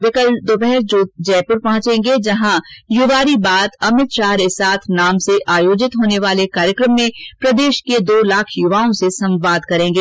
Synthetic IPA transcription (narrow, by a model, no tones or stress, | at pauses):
ʋɪkəld̪obɛɦɾd͡ʒod͡ʒɛːpʊɾpɐɦʊ̃t͡ʃẽːŋɡed͡ʒɐɦãjʊʋaːɾibaːd̪ɐmɪt̪ʃaːɦɾesaːt̪ʰnaːmseʔaːjoːd͡ʒɪt̪ɦoːneʋaːlekaːɾjəkɾəmːẽpɾɐd̪eːʃked̪oːlaːkʰjʊʋaːõsesɐ̃mʋaːd̪kɐɾẽːŋɡeː